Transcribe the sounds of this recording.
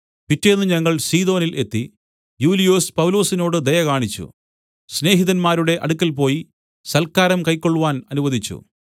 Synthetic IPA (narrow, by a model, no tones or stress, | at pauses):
pitːenːɨɲɐŋːɐɭsiːðo̞ːnile̞t̪ːi | juːlijoːspɐwlo̞ːsino̞ːɽɨd̪ɐjɐkaːɳit͡ɕːṵ | sne̞ːɦiðɐnmaːɾuɽe̞ʔɐ̰ɽukʲːɐlp̬o̞ːji | sɐlkaːɾɐmkɐjkːo̞ɭːuʋaːnɐnuʋɐðʱit͡ɕːṵ